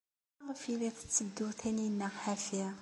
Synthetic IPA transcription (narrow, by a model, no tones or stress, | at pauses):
ʁfiliθə̥t͡sːəd̪ːuθæninːəʁħæfi